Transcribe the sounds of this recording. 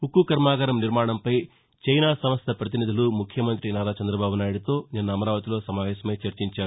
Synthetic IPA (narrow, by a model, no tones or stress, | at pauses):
ukːukɐɾmaːɡɐɾɐmniɾmaːɳɐmpɐj | t͡ʃɐjnaːsɐmɐst̪ʰɐpɾɐt̪inid̪ʱulumukʰːjɐmɐnt̪ɾinaːɾaːt͡ʃɐnd̪ɾɐbaːbunaːjuɽit̪o̞ːnɛnːɐːmɐɾaːʋɐt̪ilo̞ːsɐmaːʋɛːsɐmɐjt͡ʃɐɾt͡ʃiɲt͡ʃaːu